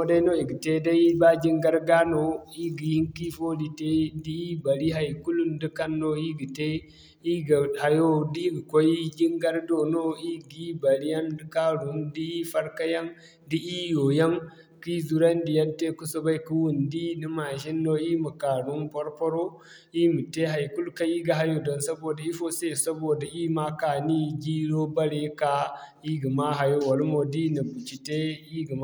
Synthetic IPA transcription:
o˦da˦i˦no˦i˨ɡi˨te˦da˦i˦ba˦d͡ʒi˦ŋɡa˦ɾɡa˦no˨i˦ɡi˨ji˦ŋki˦fo˦di˨te˦di˦i˦ba˨ɾi˦ɦa˨jku˦lu˦ndi˦ka˦nːo˦i˦ɡi˨te˦ | i˦ɡa˨ha˨jo˦di˦ɡi˨ko˦i˦d͡ʒi˦ŋɡa˦ɾdo˨no˦i˦ɡi˦ba˨ɾi˦ja˦ndi˦ka˦ɾu˨ndi˦i˦fa˦ɾka˦ja˦ŋ | di˦i˦jo˨ja˦ŋ | ki˦zu˨ɾa˦ndi˨jɐ˦nte˦ku˦so˦ba˦jku˦wu˨ndi˦ni˦ma˨ʃi˦nːo˦i˦mu˨ka˨ɾu˦npɔ˦ɾpo˦ɾo˦ | i˦mu˨te˦ɦa˨jku˦lka˦i˦ɡa˨ɦa˦jo˨dɔ˨nsɐ˦boː˨da˨i˦fo˦se˦˨sɐ˦bo˨da˨ʔi˦ma˦ka˨ni˦ɡi˦ɾo˦ba˦ɾe˦ka˨ | i˦ɡi˨ma˦ɦa˨jo˦wo˨lmo˨di˦ni˨bu˨t͡ʃi˨te˦i˦ɡi˨m˦

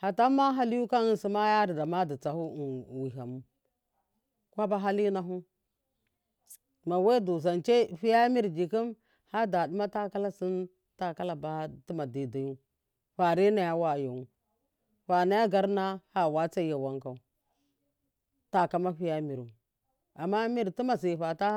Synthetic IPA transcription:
ha˨ta˦ma˦ɦa˦li˦ju˦ka˦n˨si˦ma˦ja˦ɾi˨da˨ma˦di˨t͡sa˨hu˦˨wi˨ɦa˨mu˦ | kʷa˦ba˦ɦa˦li˦na˨ɦu˦ | ma˨we˦du˨za˨nt͡ʃe˦ɸi˦ja˦mi˦ɾd͡ʒi˨ki˦m | ha˦da˨du˦ma˦ta˦ka˦la˦si˦n | ta˦ka˦la˨ba˦ti˦ma˨di˨da˨ju˦ | ɸa˨ɾi˦na˨ja˦wa˦˨ju˨u˦ | ɸa˨na˦ja˦ɡa˦ɾna˦ha˦˨wa˦t͡sa˦ja˨wa˦ŋka˨u˦ | ta˨ka˦ma˦ɸi˦ja˦mi˨ɾ | a˨mːa˦mi˦ɾti˦ma˨si˨ɸa˨ta˦

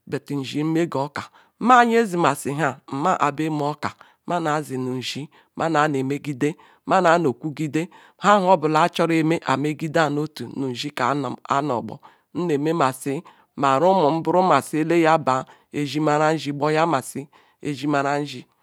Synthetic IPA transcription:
be˨ti˨n̩˨ʒi˦m̩˦me˦ɡo˨˦ka˨˦ | ma˦ɲ˦e˦zi˨ma˨si˨ɦa˦˨m̩˨ma˦ʔa˨be˦m˦ɔ˦ka˨˦ | ma˦na˨˦zi˨nu˨n̩˨ʒi˦ | mʔa˦na˨˦n˨e˨me˦ɡi˦de˦ | ma˦na˨˦no˨kʷu˦ɡi˦de˦ | ha˦ɦɔ˦bʊ˨la˨˦t͡ʃɔ˦ɾe˨me˦ʔa˨me˦ɡi˦da˦˨no˦tu˨nu˨n̩˨ʒi˦ka˨˦˨a̰˦nɔ̰˨ɡ͡bɔ̰˨ | n̩˦ne˨me˦ma˨si˦ | ma˨ɾu˦mu˨m̩˦bʊ˦ɾu˦ma˨si˦e˦le˦ja˦ba˨ | e˨ʒi˦ma˦ɾa˦n̩˦ʒi˦ɡ͡bɔ˦ja˦ma˨si˦ | ḛ˨ʒi˦ma˨ɾa˦n̩˦ʒi˦

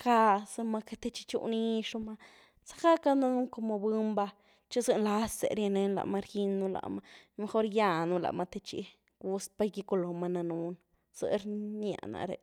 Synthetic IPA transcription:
ka˧sɨ˧ma˧ke˧t̪e˧t͡ʃi̥˧t͡ʃṵ˧ni˦ʂu˧ma˧ | sḁ˦ka˦ka˦na˧nu˦ŋko˧mo˧bɨ˦mba˧ | t͡ʃi˦zɨ˧nla˦sḛ˨ɾja˧ne˧nla̰˧˨ma˧ɾji˧nːu˧la̰˧˨ma˧me˧xo˦ɾja˧nu˧la̰˧ʔma˧t̪e˧t͡ʃḭ˧ | ɡu˧spa˧jɡi˧ko˧lo˨ma˧na˧nu˧˦n | z̥ə̰˧ɾna̰˧˨na̰˧ɾḛ˧

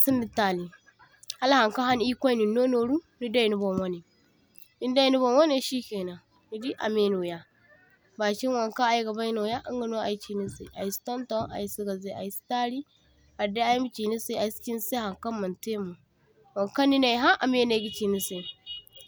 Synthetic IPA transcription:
si˦ndi˦ta˨li˨ | ha˦lha˨ŋka˦ɦa˦ni˦kʷa˦ni˨no˦no˨ɾu˦ni˦da˦i˨nu˦bo˨mwa˦ni˨ | i˦n˦da˦ji˨nu˦bo˨nwa˦ne˦ʃiː˦kʲeː˨na˨ | ni˨di˦ʔa̰˨me˦no˨ja˦ | baː˨kʲi˦nwa˨ŋka˦a˨ji˦ɡa˨ba˦ji˦no˨ja˦ʔa˦ŋɡa˨no˦ʔa̰˨i˦t͡ʃi˨ni˦sḛ˨ʔa̰˨ji˦si̥˦tɔ˦nto˦a̰˨i˨˦si˦ɡa˨ze˦ʔa̰˨ji˦si̥˦ta˦ɾi˦ | a˨de˦a˦ji˦m˦t͡ʃi˨ni˦se˦˨a˨i˦skʲi˦n˦se˦ha˨ŋka˦mːɐ˨nte˦mo˨ | wa˨ŋka˦nːi˦na˨i˨ɦa˦ʔa˨me˦na˨˦ɡi˦t͡ʃi˨ni˦se˨

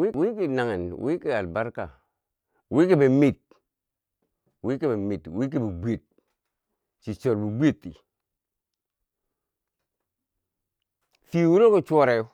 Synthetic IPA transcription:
wi˦wi˦ki˨na˨ŋe˨nwʔi˦ki˨a˨lba˦ɾka̰˨ | wi˦ki˦be˨mi˦˨t̚ | wi˦ki˦be˨mi˨twi˦k̬i˦bi˨ɡ͡bʷe˨t̚ | t͡ʃi˨t͡ʃo˨ɾbi˨ɡ͡bʷe˦˨tːḭ˨ | fi˨wu˦ɾo˦ko˦t͡ʃʷo˦ɾe˨˦

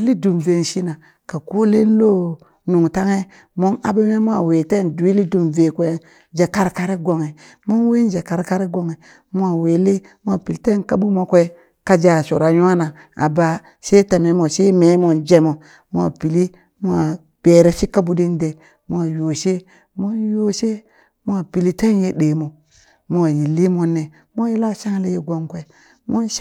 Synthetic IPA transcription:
li˦du˨mve˨n˨ʃi˦na˨ | ka˨ku˦le˦n˦lo˦ | nu˨ŋta˦ŋe˦ | mo˦na̰˨be˦me˦mo˦a˨we˨te˦˨ndu˨wi˦li˦du˨mve˨kʷe˦ | d͡ʒe˨ka˦ɾka˦ɾe˦ɡo˨ŋe˨ | mo˦n˦we˦d͡ʒe˨ka˦ɾka˦ɾe˦ɡo˨ŋe˨ | mu˦a˨we˨le˦ | m˦a˨pi˨lte˦nka˦bu˦mo˦kʷe˦i˦ | ka˦d͡ʒa˨so˨ɾa˨ɲu˦a˦na˨ | a̰˨ba˨ | se˦ta˨me˨mo˨se˦me˨˦mo˨d͡ʒe˦mo˨ | mo˦a̰˨pi˨li˦ | mo˦a˨ | b̥e˨ɾe˨ʃi˦ka˦bu˦di˦n˦de˨ | mo˦a˨jo˨ʃe˦ | mo˦njo˦se˦ | mo˦a˨pi˨li˦te˦nje˦ɗe˨mo˨ | mo˦a˨ji˨lːi˦mo˦ne˨ | mo˦ji˦la˦˨ʃa˦ŋ˦le˦je˦ɡo˦ŋkʷe˨ | mo˦nʃ

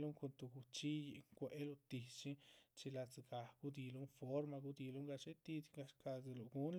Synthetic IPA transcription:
lu˦ŋko˧nt̪u˧ɡu˨t͡ʃi˦je˨ŋkʷe˨e˦lo˧t̪i˨t͡ʃi˦t͡ʃi˧la˧t͡sɡa˨ɡ̥u˦d̪i˧lu˦nfo˦ɾma˧ɡu˧d̪i˧lu˦ŋɡa˧t͡ʃe˦t̪i˧d̪ɡa˧ʃkʰa˧ze˧lo˨ɡu˦n

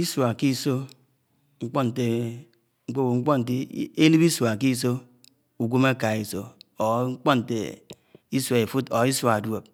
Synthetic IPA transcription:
i˦so˨a˨ki˦so˦ | ŋ̩˦k͡pɔ˦n̩˨te˨ | ŋ͡m̩˦k͡po˦wo˨ŋ͡m̩˦k͡pɔ˦n̩˨t̬i˦e˦li˦bi˦sʷo˨a˨k̬i˦s̬o˦ | u˨ɡʷo˦ma˦ka˨i˦so˨o˨˦ŋ͡m̩˦k͡pɔ˦n˨tḛ˨ | i˦swe˨fu˦to˨˦i˦sʷo˨a˨dwo˨p̚

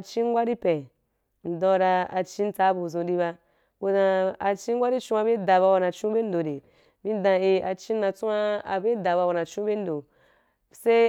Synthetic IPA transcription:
a˧t͡ʃi˦ŋ˦ɡʷa˦ɾi˦pẽ˨ | n̩˨dɔ̃˧ɾa˧a˧t͡ʃĩ˦n̩˦t͡sa˨˦bu˧˨zũ˧di˧βa˧ | ko˧zã˧a˧t͡ʃi˦ŋ̩˦ɡʷa˦ɾi˦t͡ʃũ˦a˧be˦da˨ba˧wa˧nã˨t͡ʃũ˦be˦n˦do˨de˨ | bi˦dã˧i˧a˧t͡ʃi˦na˧t͡su˦ma˦a˧be˦da˨ba˧wa˧˨na˨t͡ʃũ˦be˦n̩˦do˨ | se˦

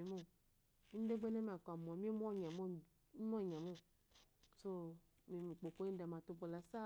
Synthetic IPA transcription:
e˨mo˦ | n̩˦de˦ɡ͡be˦nẽ˦mi˨a˨ka˨m˨ɔ̃˨mĩ˦e˦m˦ɔ̃˦˨ɲã˨mo˦ | m˦ɔ̃˦˨ɲã˨mõ˦˨ | so˦ | mi˨mi˨k͡po˨ko˦ĩ˦dɛ˨mã˨t̪o˦bo˨la˨sa˦

